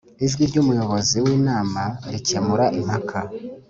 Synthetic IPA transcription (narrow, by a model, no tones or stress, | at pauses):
iʒɡiɾɟumujo̞βo̞ziwiːnaːmaɾicemuɾaʔim̥hakʰa